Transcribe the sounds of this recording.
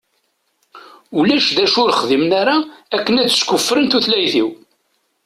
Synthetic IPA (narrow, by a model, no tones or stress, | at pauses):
ulæʃðæʃʊɾχðimnaɾaækːənæt͡sːə̥skʊfːɾənt̪uθlæjθiw